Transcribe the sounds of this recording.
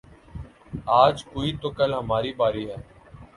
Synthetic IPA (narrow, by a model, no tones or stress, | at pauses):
aːd͡ʒkoːiːt̪okəlɦəmaːɾiːbaːɾiːɦɛː